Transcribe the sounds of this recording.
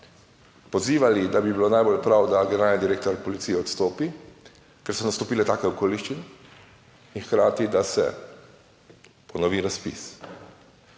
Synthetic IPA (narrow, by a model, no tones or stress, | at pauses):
pɔziːʋalid̪abibilonaːjbolpɾawd̪aɡɛneɾaːlnid̪iɾeːkt̪ɔɾpɔlit̪siːjɛɔt̪st̪oːpi | kɛɾsɔnast̪ɔpiːlɛt̪aːkɛɔkoːliʃt͡ʃinɛ | inxkɾaːt̪id̪asɛ̰ | pɔnɔʋiɾaspḭs